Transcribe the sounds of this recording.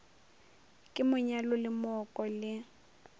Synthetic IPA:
kʼɪmʊɲalʊlɪmɔkʼɔlɪ

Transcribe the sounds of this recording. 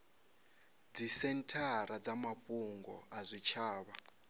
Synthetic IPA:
d͡zisɛntʰaɾad͡zamaɸuŋɡɔ̰azʷit͡ʃʰaːβa

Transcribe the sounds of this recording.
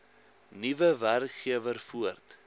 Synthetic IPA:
nivəværkχiəvərfuərt

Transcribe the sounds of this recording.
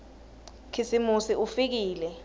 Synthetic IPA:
kʰisimusiʔufik̬iːlɛ

